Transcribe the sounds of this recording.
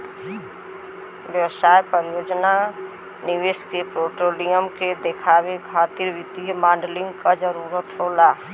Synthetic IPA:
ʋjəʋsaːjpəɾjoːd͡ʒna | nɪʋeːʃkepɾoːʈoːlijəmked̪ekʰaːwekʰaːt̪iɾʋɪt̪imaːɳɖlɪ̃ŋɡkad͡ʒəɾuːɾət̪ɦoːlaː

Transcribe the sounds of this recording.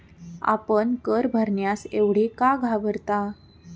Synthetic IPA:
a̰pəɳkəɾbʱəɾɳjaseʋɽ̤iːkaɡʱabəɾt̪a

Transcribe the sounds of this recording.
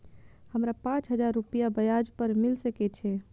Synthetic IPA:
həmɾapãt͡ʃɦəd͡ʒaɾːupijabəjad͡ʒpəɾmilsəkɛt͡ʃʰɛ

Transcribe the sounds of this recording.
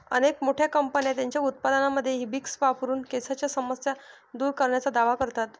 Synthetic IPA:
ənekmoʈʰjakəmpənjat̪jaɲt͡ɕjaut̪̚pad̪ənaməd̪ʱːjeɦibiksʋapuɾuːnkesat͡ɕjasəməsja | d̪uːɾkəɾɳjat͡sad̪aʋakəɾt̪at̪

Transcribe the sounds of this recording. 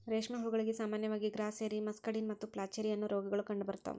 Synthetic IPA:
ɾeːʂmɐɦuuɡɐɭiɡisaːmaːnjɐʋaːɡiɡɾaːseːɾimɐskɐɽinmɐt̪ːuplaːt͡ʃeːɾijɐnːuɾoːɡɐɡɐɭukɐɳɖubɐɾut̪ːɐ̰

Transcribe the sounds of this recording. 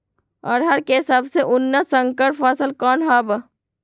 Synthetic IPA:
ɔ̰ːɾɦɐɾkesɐbseʔʊnːəsɐŋkəɾpfaːsəlkɔːnɦaːbə

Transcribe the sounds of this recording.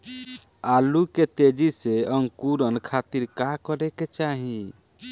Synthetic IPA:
aluket̪ed͡ʒiseəŋkuɾənkʰat̪iɾkakɔɾeket͡ʃaɦĩ

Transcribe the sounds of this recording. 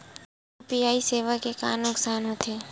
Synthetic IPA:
piaːiseːʋəkeka̰ːɾnʊksaːnɦət̪ʰeː

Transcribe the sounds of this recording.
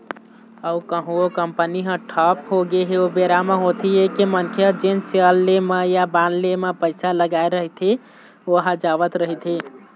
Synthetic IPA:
əukəɦũokəmpəniɦə̃ʈʰɔpɦoɡeɦeobeɾamaɦot̪ʰiekemənkʰjəd͡ʒenseəlːemejabanlemepəɪsaləɡaeɾəɦit̪ʰi | oɦãd͡ʒabət̪ɾəɦit̪ʰi

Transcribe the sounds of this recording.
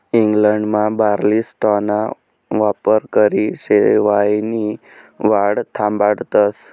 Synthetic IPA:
iŋɡləɳɖmãbaɾlisʈɔna | ʋapəɾkəɾiʃeʋaini | ʋaɽt̪ʰãmbaɽt̪əs

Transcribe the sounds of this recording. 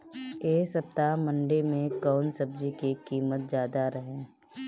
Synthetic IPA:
eːsəp̚t̪amə̃ɳɖemẽkɔːnsəb̚d͡ʒikikiːmət̪̚d͡ʒjaːd̪aɾəɦẽː

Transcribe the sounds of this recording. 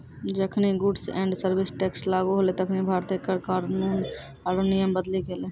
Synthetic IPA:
d͡ʒəkʰniɡʊɖsɛ̰̃ːɳɖsəɾbɪsʈɛːkslaːɡuɦolet̪əkʰnibʱaːɾt̪ekəɾkaːɾnuːn | aɾonijəmbəd̪liɡeːleː

